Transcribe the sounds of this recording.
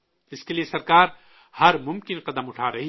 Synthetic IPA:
ɪskeliesɐɾkaːɾ | hɐɾmʊ̃mkɪnqɐd̪əmʊʈʰaɾɐɦi

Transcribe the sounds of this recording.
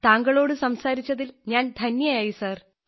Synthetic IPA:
t̪aːŋɡɐɭo̞ːɽɨsɐmsaːɾit͡ɕːɐðilɲaːnd̪ʱɐnjɐjaːjisaːr

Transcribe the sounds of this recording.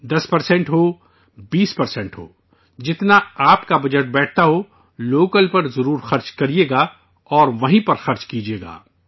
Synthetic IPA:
d̪ɐspɐɾsẽɳʈɦoː | biːspɐɾsẽɳʈɦo̰ː | d͡ʒɪt̪naaːpkabɐd͡ʒəʈ̚bɛːʈ̚ʰt̪aɦo | loːkəlpɐɾzɐɾuːɾxɐɾt͡ʃkɐɾijeːɡaː | ɔːɾʋɐɦĩpɐɾxɐɾt͡ʃkiːd͡ʒieːɡa̰ː

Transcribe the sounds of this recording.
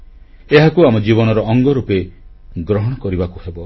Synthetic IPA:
eɦakuamɔd͡ʒibɔñɔɾɔɔŋɡɔɾupe | ɡɾɔɦɔɽ̃ɔkɔɾibakuhebɔ

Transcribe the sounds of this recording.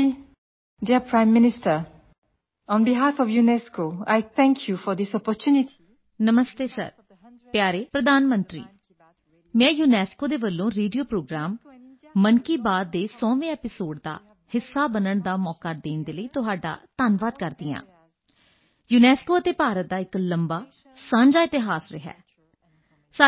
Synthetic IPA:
diəpʰɹãɪ̃mːɪnɪstə | ɔ̃nbiɦafɔfjunɛskoa̰jt̪ʰɛ̃ŋkʰjufɔd̪ɪsɔpɔt͡ʃʰjuniti̥ | nəməst̪eːsə̰ɾ | pjaːɾeːpɾəd̪aːnmənt̪ɾḭː | mɛ̃ːjuːnɛːskoːd̪eːbəlːõːɾeːɖijoːpɾoːɡɾaːmː | ənkiːbaːd̪ːeːsɔ̃ːʋẽːɛːpɪsoːɖd̪a̰ː | hɪsːaːbənəɳd̪aːmɔːkad̪eːnd̪eːləiːt̪ʊɦaːɖa̰ːt̪aːnʋaːd̪kəɾd̪iːã̰ː | juːnɛːskoːət̪eːpaːɾət̪̚d̪aːɪkləmbaː | sãːɲd͡ʒaːɪt̪ɪɦaːsɾɪɦɛ̰ː | sə

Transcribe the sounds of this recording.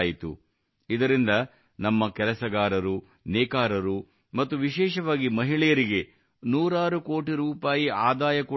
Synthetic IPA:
jit̪ṵ | id̪ɐɾind̪ɐ | nɐmːɐkɛlɐsɐɡaːɾɐɾu | nɛːkaːɾɐɾu | mɐt̪ːuʋiʃɛːʃɐʋaːɡimɐɦiɭɛjɐɾiɡe̞ | nuːɾaːɾukoːʈiɾuːpaːjiaːd̪aːjɐku

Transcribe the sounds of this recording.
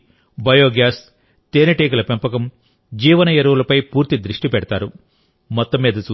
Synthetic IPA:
bɐjoːɡjaːs | t̪eːnɐʈeːkulɐpempɐkɐm | d͡ʒiːʋɐnɐjɐɾɐwulɐpɐjpuːɾt̪id̪ɾiʂʈipɛɽɐt̪aːɾu | mɔt̪ːɐmːiːd̪ɐt͡ʃuː

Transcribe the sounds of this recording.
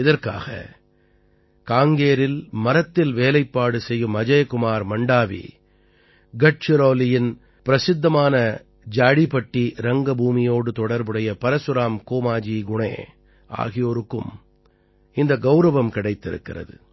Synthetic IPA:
ɪðɐɾka̰ːɣɐ̰ | kaːŋɡeːɾɪlmɐɾɐt̪ːɪlʋeːlɐɪpːaːɽɯsɛjːɯmɐd͡ʒɐjkʊmaːɾmɐɳɖaːʋḭ | ɡɐʈ̚t͡ʃɪɾoːlɪjɪn | pɪɾɐsɪd̪ːɐmaːnɐ | d͡ʒaːɽipɐʈːiɾɐŋɡɐbuːmɪjoːɽɯt̪ɔɽɐɾbɯɽɐjɐpɐɾɐsɯɾaːmkoːmaːd͡ʒiːɡʊɳḛː | ʔa̰ːɣɪjoːɾɯkːɯm | ɪnd̪ɐɡɐʊɾɐʋɐmkɪɽɐɪt̪ːɪɾɯ̰kːɪ̰rɐ̰ðɯ̰

